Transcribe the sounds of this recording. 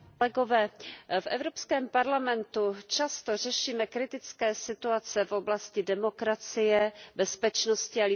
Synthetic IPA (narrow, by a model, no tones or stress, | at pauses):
ɛɡo̞vɛːfʔɛ̰vɾopskɛːmpaɾlamɛnt̪ut͡ʃast̪o̞rɛʃiːmɛkɾɪt̪ɪt͡skɛːsɪt̪uat͡sɛfo̞blascɪdɛmo̞kɾat͡sɪjɛbɛspɛt͡ʃnoscɪalɪ